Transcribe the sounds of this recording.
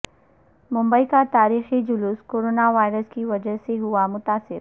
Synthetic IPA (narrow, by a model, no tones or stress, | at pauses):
mʊ̃mbəikat̪aːɾiːxid͡ʒʊluːskoːɾoːnaʋaːɪɾəskiʋɐd͡ʒəɦseɦʊamʊt̪aːsɪɾ